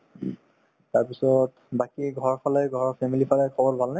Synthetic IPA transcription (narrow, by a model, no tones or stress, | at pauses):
taɹpisɔt | bakiɡʱɔɹpʰalɛjɡʱɔɹpʰɛmilipʰalɛjkʰɔbɔɹbʱalnɛ